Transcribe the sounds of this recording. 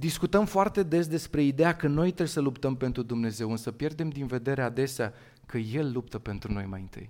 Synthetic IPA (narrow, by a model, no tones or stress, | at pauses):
d̪iskut̪əmfoart̪e̞d̪e̞s̬d̪e̞spɾe̞id̪e̞jakəno̞jt̪ɾesəlupt̪əmpe̞nt̪ɾud̪umne̞ze̞wɨnsəpje̞rd̪e̞md̪inve̞d̪e̞ɾead̪e̞sea | kəje̞lːup̚t̪əpe̞nt̪ɾuno̞̰jma̰jɨnt̪ɨ̰j